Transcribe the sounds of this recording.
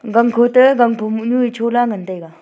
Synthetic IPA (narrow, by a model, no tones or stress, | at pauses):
ɡaŋkʰot̪əɡaŋpʰomuɲuit͡ʃʰolaŋənt̪ajɡa